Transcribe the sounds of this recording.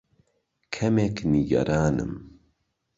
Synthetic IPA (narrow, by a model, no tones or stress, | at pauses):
kʰɛmekniɡɐ̰ɾaːnɨ̰m